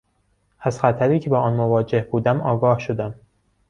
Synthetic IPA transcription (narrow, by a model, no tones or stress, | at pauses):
æzxæt̪ʰæɾiːcʰe̞bɒːɒːnmovɒːd͡ʒe̞hbuːd̪æmɒːɡɒːhʃod̪æm